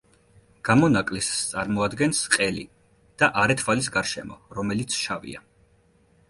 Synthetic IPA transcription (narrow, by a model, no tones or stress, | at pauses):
ɡ̥amɔnakʼlist̪sʼaɾmɔad̪ɡɛnsqʼɛlḭ | d̪̥aʔaɾɛt̪ʰvalisɡaɾʃɛ̰mɔ̰ɾɔmɛlit̪sʰʃavḭa